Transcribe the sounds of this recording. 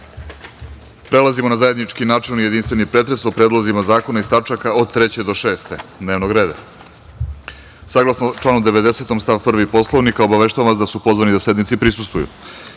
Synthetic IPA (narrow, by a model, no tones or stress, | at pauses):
pɾelˠazimonazajed̪nit͡ʃkinaːt͡ʂe̞lˠnije̞d̪inst̪ʋe̞nipɾe̞t̪ɾe̞sopɾe̞d̪lˠazimazaːko̞naist̪at͡ʂakaod̪̚t̪ɾet͡ɕe̞d̪o̞ʃe̞ːst̪e̞d̪neʋnoɡɾe̞ːd̪a̰ | saɡlˠasnot͡ʃlˠaːnod̪e̞ʋe̞d̪e̞se̞t̪o̞mst̪avpr̩ʋipo̞slˠoʋnikaobaʋe̞ʃt̪aʋaʋasd̪asupo̞zʋanid̪ase̞d̪nit̪sipɾisust̪vujṵ